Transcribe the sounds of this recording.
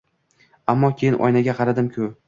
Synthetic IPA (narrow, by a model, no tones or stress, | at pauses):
amːɒkʲʰejɪnʔɒ̰jnaɡʲaqʰɑɾad̪ɪmkʲʰʊ